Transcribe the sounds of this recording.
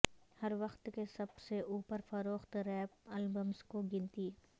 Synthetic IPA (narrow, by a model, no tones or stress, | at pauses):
hɐɾʋɐxt̪kesɐbseʔuːpəɾfɐɾoːxt̪ɾɛːpɐlbəmzkoɡɪ̃nt̪iː